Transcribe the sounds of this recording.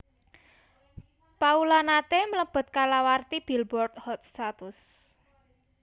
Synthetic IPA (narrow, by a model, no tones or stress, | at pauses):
paulanat̪emələb̥ə̤t̪̚kalawart̪ib̥i̤lbɔrt̪hɔt̪̚st̪at̪ʊs